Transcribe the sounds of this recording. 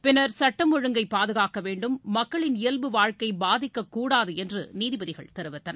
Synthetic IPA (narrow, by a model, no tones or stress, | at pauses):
pɪnɐɾsɐʈːɐmɔɻɯŋɡɐɪpːaːðɯɣaːkɐʋeːɳɖɯmːɐkːɐɭɪnɪjɛlbɯʋaːɻkɐɪbaːðɪkːɐkːuːɽaːðɯɛndrɯ̰niːðɪbɐðɪɣɐ̰ɭt̪ɛɾɯʋɐt̪ːɐnɐ